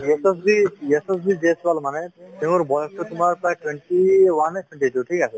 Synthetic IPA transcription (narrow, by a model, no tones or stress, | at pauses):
eses̬bieses̬bid͡ʒesbalmanet̪ẽuɾbɔjɔst̪ut̪umaɾpɾajʈweɳʈiwaneʈʰweɳʈiʈuʈʰikasʰɔ